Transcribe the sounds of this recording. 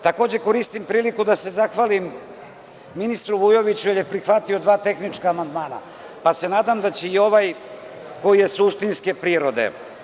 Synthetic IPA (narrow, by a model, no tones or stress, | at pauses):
t̪ako̞ːd͡ʑe̞ko̞ɾist̪impɾiːlikud̪ase̞zaxʋaːlimː | inist̪ɾuʋujo̞ʋit͡ɕujeɾjepɾixʋat̪io̞d̪ʋaːt̪e̞xnit͡ʃkaːmand̪maːna̰ | pase̞naːd̪amd̪at͡ɕeio̞ʋaj | ko̞jije̞suʃt̪inske̞pɾiːɾo̞d̪e̞̰